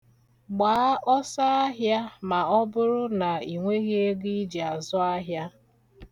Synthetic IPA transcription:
ɡ͡baː˨˦ʔɔ˦sa˦a˦ɦja˦ma˨ɔ˦bʊ˦ɾʊ˦na˨i˨ŋʷe˦ɣe˦e˦ɡi˦d͡ʒi˨a˨zɔ˦a˦ɦja˦

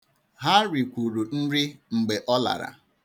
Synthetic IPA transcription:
ɦa˦ɾi˨kʷu˨ɾu˨n̩˦ɾɪ˦ŋ͡m̩˨ɡ͡be˨ʔɔ˦la̰˨ɾa̰˨

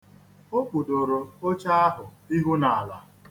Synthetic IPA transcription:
o˦k͡pu˨do˨ɾo˨o˦t͡ʃa˦a˦ɦʊ˨ | i˦ɦu˦na˨a˨la˨

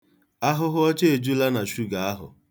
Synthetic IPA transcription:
a˦ɦʊ˦ɦʊ˦ɔ˦t͡ʃe˦e˨d͡ʒu˦la˦na˨ʃu˦ɡa˨a˦ɦʊ̰˨

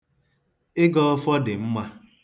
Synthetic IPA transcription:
ɪ˦ɡɔ˦ɔ˦fɔ˦dɪ˨m̩˦ma˦

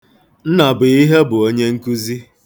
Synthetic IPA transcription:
n̩˦na˨bʊ˨i˦ɦe˦bʊ˨o˦ɲe˦ŋ̩˦ku˦zi˦

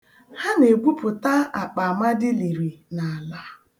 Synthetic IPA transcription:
ha˦ne˨ɡʷu˦pʊ˨ta˦a˨k͡pa˨ma˦dɪ˦li˨ɾi˨na˨a˨la˦

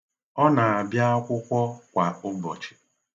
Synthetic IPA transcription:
ɔ˦na˨a˨bja˦a˦kʷʊ˦kʷɔ˦kʷa˨ʊ˦bɔ˨t͡ʃɪ̥˨

